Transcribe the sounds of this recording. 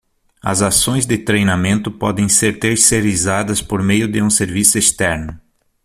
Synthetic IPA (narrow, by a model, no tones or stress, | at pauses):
ɐ̰zasõj̃zd̪ɪt̪ɾejnamẽnt̪ʊpɔd̪ẽj̃seɾt̪eɾseɾizad̪ɐspoɾmejʊd̪ɪũseɾvisʊest̪ɛɾnʊ